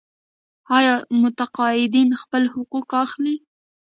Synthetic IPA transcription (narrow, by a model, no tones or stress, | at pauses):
ɑjɑmʊt̪aqɑɪd̪inxpəlhʊqukɑxli